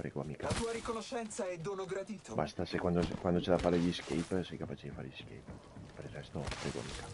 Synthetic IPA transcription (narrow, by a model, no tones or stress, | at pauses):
pɾḛɡoamikat̪uːaɾikonoʃɛnt̪saɛd̪onoɡɾad̪iːt̪oba̰st̪asekwand̪okwand̪ot͡ʃed̪afaɾeʎiskejpsɛjkapat͡ʃed̪ifaɾeʎisk̟ḛjp | pɾezɛst̪opɾḛɡoa̰mḭːkḁ